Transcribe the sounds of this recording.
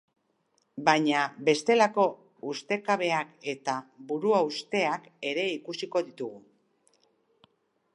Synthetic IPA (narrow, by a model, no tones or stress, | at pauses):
baɲabe̞st̪e̞lako̞ | ust̪e̞kaβ̞e̞ake̞t̪aβuɾuaust̪e̞ake̞ɾe̞ikusiko̞ðit̪uɣu